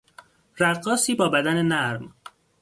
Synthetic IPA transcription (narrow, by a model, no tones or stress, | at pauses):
ræd̪̚ɢɒːsiːbɒːbæd̪æne̞næɾm